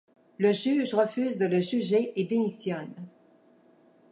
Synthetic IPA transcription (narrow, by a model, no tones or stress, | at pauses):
ləʒyːʒʁəfyːzd̪ələʒyʒeed̪emisjɔn